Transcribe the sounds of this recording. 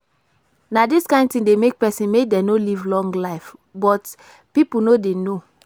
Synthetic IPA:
nadiskãɪ̃ntĩdemek̚pɛsĩnmek̚dɛ̃nolivlɔ̃ŋɡlaɪfbɔt | pipul̩nodeno

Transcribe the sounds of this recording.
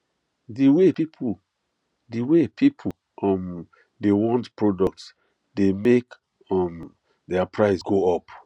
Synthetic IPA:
diwepipʰu | diwepʰipʰu | ɔm | dewɔ̃ntpɹɔdɔk̚ts | demek | ɔm | dɛapʰɹaɪsɡoɔp

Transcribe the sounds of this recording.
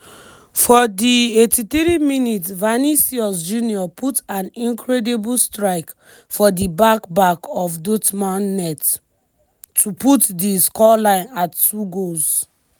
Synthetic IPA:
fɔdietʰit̪ɹiminitvanisiɔsd͡ʒuniɔpʰutãnĩnkʰɹɛdibulstɹaɪk | fɔdibakbakɔfdotmãnːɛt | tʰuputdiskɔlãɪ̃nattuɡoz

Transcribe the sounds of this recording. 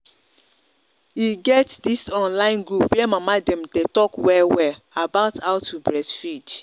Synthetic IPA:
jiɡɛtdisɔ̃nlãɪ̃nɡɹupwɛmamadɛ̃mdetɔkwɛwɛl | abaʊtaʊtʰːubɹɛsfid

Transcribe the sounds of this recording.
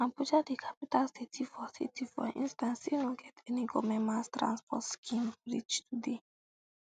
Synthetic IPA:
ãmput͡ʃadikʰapitalsitʰifɔsḭtifɔ̰ʔḭ̃nstãnsinõɡɛtʰɛniɡɔmɛ̃mastɹã̰nspɔtskʰĩmbɹit͡ʃtʰude

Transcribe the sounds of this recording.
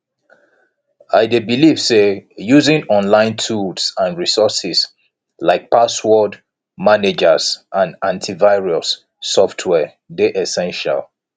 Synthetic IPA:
aɪdebiliv̥sejuzɪ̃nɔ̃nlãɪ̃ntʰuldsãnɹisɔsis | laɪk̚pʰaswɔd | maned͡ʒəzʔãnãntʰivaɪɹiosː | ɔftʰwɛ | deʔɛsɛ̃nʃa̰lˠ

